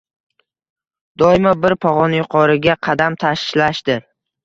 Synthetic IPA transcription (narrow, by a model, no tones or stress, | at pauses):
d̪̥ɒɪmabɪɾpʰɒʁɒnjʊqʰɒɾɪɡʲaqʰɑd̪amt̪ʰaʃʃlaʃd̪ɪɾ